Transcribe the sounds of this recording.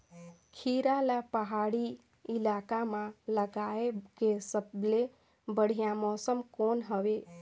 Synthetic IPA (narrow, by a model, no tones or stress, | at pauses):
kʰiɾalapəɦaɽi | ilakamãləɡaekesəble | bəɽ̤ijamɔsəmkonɦəʋe